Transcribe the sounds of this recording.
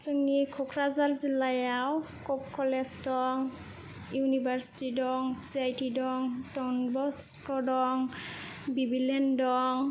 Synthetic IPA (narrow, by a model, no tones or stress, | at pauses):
səŋnikʰɔkʰɹazalzilajaw | kɔp̚kʰɔlɛsdɔŋ | junibaɹsi̥tidɔŋsiajtʰidɔŋtɔnbɔskɔdɔŋ | bibilɛndɔŋ